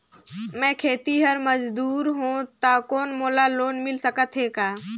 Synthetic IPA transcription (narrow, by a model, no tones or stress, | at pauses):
mɛ̃kʰeːt̪iɦəɾməd͡ʒd̪uːɾɦõt̪akoːnmoːlaloːnmɪlsəkət̪ɦekaː